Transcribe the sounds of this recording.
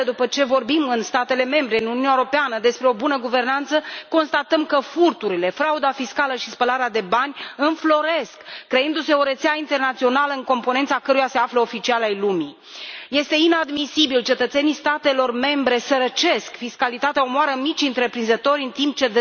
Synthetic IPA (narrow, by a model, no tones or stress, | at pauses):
d̪upət͡ʃe̞vo̞rbimɨnst̪at̪e̞le̞me̞mbɾe̞ɨnununʲaeoɾo̞peanəd̪e̞spɾe̞o̞bunəɡuve̞rnant̪səko̞nst̪at̪əmkəfurt̪uɾile̞fɾaud̪afiskaləʃispəlaɾead̪e̞banʲɨnflo̞ɾe̞skːɾeɨnd̪use̞o̞ɾe̞t̪seaint̪e̞rnat̪sio̞naləɨŋko̞mpoet̪sakəɾujase̞afləo̞fit͡ʃialajlumḭ | je̞st̪e̞inad̪misibilt͡ʃe̞t̪ət̪senist̪at̪e̞lo̞rme̞mbɾe̞səɾət͡ʃe̞skfiskalit̪at̪eaomoaɾəmit͡ʃʲɨnt̪ɾe̞pɾinzət̪o̞ɾʲɨnt̪imp̚t͡ʃe̞d̪